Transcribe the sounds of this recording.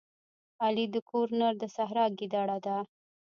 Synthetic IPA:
alid̪əkʰoɾnaɾd̪əsaɦɾɑɡid̪aɽad̪a

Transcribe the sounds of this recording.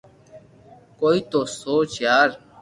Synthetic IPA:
koːiːt̪oːsoːt͡ʃjaːɾ

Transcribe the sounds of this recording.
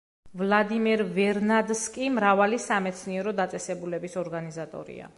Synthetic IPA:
vlˠad̪imɛɾvɛɾnad̪skʼimɾavalisamɛt̪sʰniɛɾɔd̪at̪sʼɛsɛbulɛbisɔɾɡanizat̪ʼɔ̰ɾḭa̰

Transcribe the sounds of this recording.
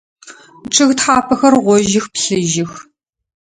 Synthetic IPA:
ʈ͡ʂʰʼɨɣtħaːpʰɐxɐrʁʷɔʒɪxpɬɨʒɪx

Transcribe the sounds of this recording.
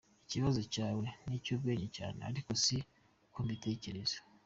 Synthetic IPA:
iciβazocaːwe̞nicuːbɡe̞ːɲeca̰ːnea̰ɾiko̞si | kumite̞ːce̞ɾez̥e̥

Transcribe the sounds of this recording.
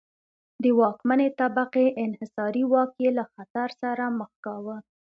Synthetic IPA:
d̪əwɑkmanet̪abaqeʔɪnhɪsɑɾiwɑkjelaxat̪aɾsaɾaməxkɑwə

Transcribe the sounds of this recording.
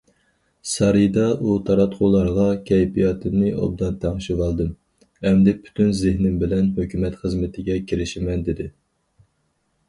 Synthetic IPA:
sɑɾid̪ɑʔut̪ʰɑɾɑt̪qʰolˠɑɾʁɑkʲʰɛjpijɑt̪ʰɨmnɨʔɑ̰b̚d̪ɑnt̪ʰæŋʃɪwɑlˠd̪ɨm | ɛmd̪ɪpʰy̥t̪ʰynzɪhnɪmbɪlɛnɦøkʲymɛt̪χəzmɪt̪ʰɪɡʲɛkʲʰiɾɪʃɪmɛnd̪ɪd̪ɪ

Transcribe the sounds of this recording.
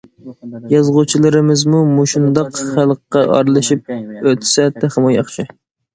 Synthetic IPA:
jɑzʁʊt͡ʃʰilˠɨɾɨmɪzmumuʃund̪ɑqχælˠqːɑʔɑ̰ɾlˠɨʃip̚øt̪ʰsɛt̪ʰæχəmujɑχʃʰɪ

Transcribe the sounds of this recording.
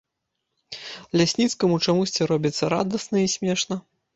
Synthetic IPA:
lʲasʲnʲit̪skɐmut͡ʂamusʲt͡sʲiɾɔbʲit̪sːɐɾa̰d̪ɐsnɐisʲmʲɛʂnɐ

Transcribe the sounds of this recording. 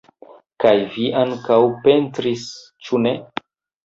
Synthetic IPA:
kajviʔaŋkawpe̞ntɾis | t͡ʃune

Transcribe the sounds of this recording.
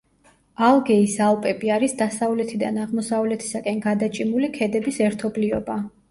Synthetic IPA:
alˠɡɛisalˠpʼɛbiaɾisd̪asavlɛt̪ʰid̪a̰naʁmɔsavlɛt̪ʰi̥sakʼɛnɡad̪at͡ʃʼimulikʰɛd̪ɛbisɛɾt̪ʰɔbliɔba

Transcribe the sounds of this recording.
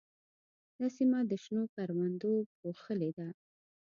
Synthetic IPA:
d̪ɑsimad̪əʃnokaɾwand̪opoxəled̪a

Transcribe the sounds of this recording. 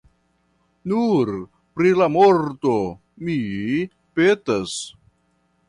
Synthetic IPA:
nuɾ | pɾilamoɾto | mi | petas

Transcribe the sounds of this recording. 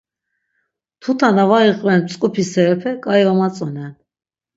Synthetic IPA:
t̪ʰut̪ʰanavaiqʼvɛnt͡sʼkʼupʰisɛɾɛpʰɛkʼaivamat͡sʼɔnɛn

